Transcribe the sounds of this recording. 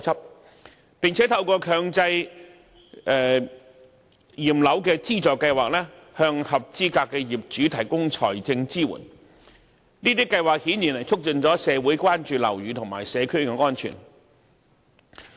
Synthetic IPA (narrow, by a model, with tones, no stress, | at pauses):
sʰɐ˥p̚ | pɪ˨ŋt͡sʰɛ˨˥t̪ʰɐ˧wkɔː˧kʰœː˧ŋt͡sɐ˧j | ʔɛː˨ | jiː˨˩mlɐ˨˥wkɛː˧t͡siː˥t͡sɔː˨˩kːɐ˧jwaː˨k̚lɛː˥hœː˧ŋhɐ˨p̚t͡siː˥kaː˧kːɛː˧jiː˨˩p̚t͡ʃyː˨˥t̪ʰɐ˨˩jkʊ˥ŋt͡ʃʰɔ̰ː˨˩jt͡sɪ˧ŋt͡siː˥wṵː˨˩n | niː˥t̪iː˥kːɐ˧jwaː˨k̚hiː˨˥nji˨˩nlɐ˨˩jt͡sʰʊ˥k̚t͡ʃɵ˧nt͡sɔː˨˥sɛː˨˧wuː˨˥jkʷwaː˥nt͡ʃyː˨˧lɐ̰˨˩wjyː˨˧t̪ʰʊ˨˩ŋmaː˨˩jsɛː˨˧kʰɵ˥ɥkɛ˧ŋɔː˥nt͡ʃʰy̰˨˩n